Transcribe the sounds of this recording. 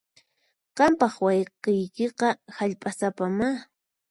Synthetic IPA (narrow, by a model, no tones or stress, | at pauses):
qɑmpɑχwɑjqejkeqɑhaʎpʼasapama